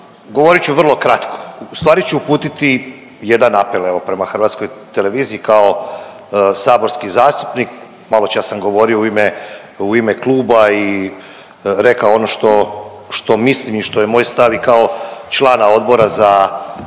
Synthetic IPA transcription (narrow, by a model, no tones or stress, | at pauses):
ɡoʋoɾit͡ɕuʋr̩lˠo̞kɾat̪kʰo̥ust̪ʋaːɾit͡ɕuupuːt̪it̪i | je̞d̪anapele̞ʋo̞pɾe̞maxr̩ʋat̪sko̞jt̪ele̞ʋiːziikao | saːbo̞ɾskizaːst̪u̥pnik | malot͡ʃasamɡo̞ʋo̞ːɾiouime | uimeklˠuːbai | ɾe̞kaoo̞noʃt̪o̞ | ʃt̪o̞mislimiʃt̪o̞jemoːjst̪aʋikao̞t͡ʃlˠaːnao̞d̪bo̞ɾaza